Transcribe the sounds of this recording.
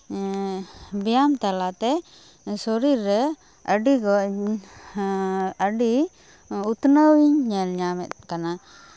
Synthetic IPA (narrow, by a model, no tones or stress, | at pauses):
bijamt̪alat̪ɛ | sɔɾiɾːɛ | əɖikɔ | əɖi | ut̪nəwiɲɲɛlɲamɛt̪̚kana